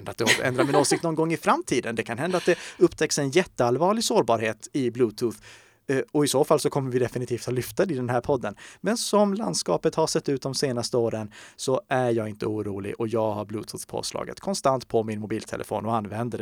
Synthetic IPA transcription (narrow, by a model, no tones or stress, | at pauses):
nd̪at̪̚d̪ɛɛ̰nd̪ɾaɾmɪnoːsɪkt̪nɔnɡɔŋːɪfɾamt̪ʰiːd̪ənd̪ɛkʰanɦɛnd̪at̪̚d̪ɛɵpːt̪ʰɛksɛnjɛt̪ːəalvɑːɭɪɡsoːɾbɑːɾheːt̪ɪblʉːt̪ʰuːθ | ɔɪsoːfalsɔkʰɔmːəɾvɪd̪ɛfɪnɪt̪ʰiːft̪hɑlʏft̪ad̪ɪd̪ɛnɦæːɾpʰɔd̪ːənmɛnsɔmla̰nd̪skɑːpət̪haʂɛt̪ːʉ̟t̪̚d̪ɔmseːnast̪əoːɾənsɔʔæjɑːɡɪnt̪ʰəuːɾuːlɪ̰ʔɔjɑːɡhaɾblʉːt̪ʰʉθpʰo̰ːslɑ̰ːɡə̰t̪kʰɔnst̪ant̪pʰɔmɪnmʊbiːlt̪ʰɛ̰lʔə̰fo̰ːnɔanːvɛnd̪əɖ